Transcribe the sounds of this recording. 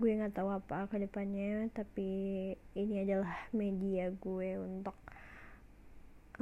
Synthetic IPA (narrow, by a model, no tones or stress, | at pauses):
ɡuɛŋat̪awapakədəpanɲat̪apiː | niadalahmediaɡuɛunt̪ʊk̚